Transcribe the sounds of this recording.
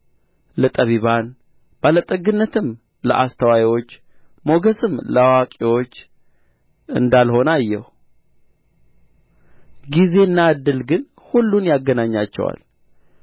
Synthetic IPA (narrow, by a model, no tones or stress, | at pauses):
lət̪ʼəβiβan | b̥alət̪ʼəɡɨnːət̪ɨm | lə̰ʔast̪ʰəwawiwo̞t͡ʃː | mo̞ɡəsʼɨmləwakʼiwo̞t͡ʃː | ɨ̰nd̪alho̞najːɛ̰hu | ɡize̞nːad̪ːɨlɡɨn | hulːunjaɡːənaɲːat͡ʃːɛ̰wa̰l